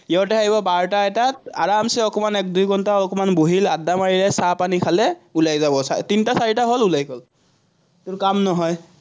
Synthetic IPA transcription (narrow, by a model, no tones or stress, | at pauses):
jatɛaɦibɔbaɹtaɛtata̰ɹamsɛɔkɔmanɛk̚dujɡɔntaɔkɔmanboɦiladːamaɹilɛsapanikʰalɛulajzabɔsatintasaɹitaɦolulajɡɔl | tʊɹkamnɔɦɔj